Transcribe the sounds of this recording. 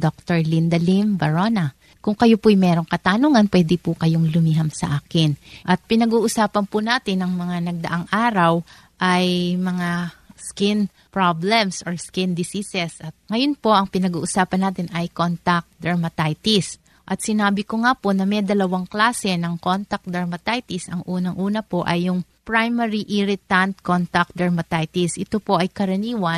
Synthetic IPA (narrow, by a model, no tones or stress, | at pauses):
d̪ok̚t̪oɹlind̪ɐlimbɐɹonɐ | kʊŋkɐjopʊjmɛːɾo̞ŋkɐt̪anuːŋɐnpwɛd̪ɪpʊkɐjoŋlʊmiɦamsɐ̰ʔaːkɪnʔɐt̪̚pɪnɐɡuːʔʊsaːpɐnpʊnaːt̪ɪnːɐŋmɐŋanɐɡ̚d̪ɐ̰ʔaŋʔaːɾɐw | ʔɐjmɐŋaskɪn | pɹablɛmsoɹskɪnd̪ɪsisɛsʔɐt̪̚ŋɐjo̞npo̞ʔɐŋpɪnɐɡuːʔʊsaːpɐnːaːt̪ɪnʔɐjkont̪ɐk̚d̪ɐɹmɐt̪ajt̪ɪs | ʔɐt̪̚sɪnaːbɪkoŋapo̞nɐmɛd̪ɐlɐwaŋklaːsɛnɐŋkont̪ɐk̚d̪ɐɹmɐt̪ajt̪ɪsɐŋʔuːnɐŋʔuːnɐpo̞ʔɐjːʊŋpɹajmɛɾiʔɪɾɪt̪ɐnt̪̚kont̪ɐk̚d̪ɐɹmɐt̪ajt̪ɪsʔɪt̪opo̞ʔɐjkɐɾɐniːwɐn